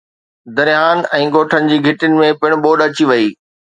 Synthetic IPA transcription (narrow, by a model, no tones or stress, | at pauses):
d̪ɐɾijaːnɛ̃ːɡoːʈʰənɪ̆d͡ʑiːɡʱɪʈɪnɪ̆mẽpɪɽ̃ʊɓoːɗɐt͡ɕiʋɐiː